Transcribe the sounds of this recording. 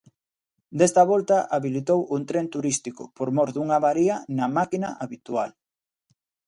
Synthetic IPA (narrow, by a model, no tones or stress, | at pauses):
d̪est̪ɐβɔlt̪ɐʔaβilit̪owʔunt̪ɾent̪uɾist̪ikʊ̰poɾmɔɾðuŋɐβaɾiɐnɐmakinɐʔaβit̪ual